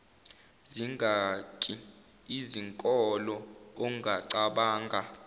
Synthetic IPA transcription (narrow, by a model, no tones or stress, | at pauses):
ziŋʱakʼi | iziŋkʼɔlɔoŋɡʱaǀaɓaːŋɡʱa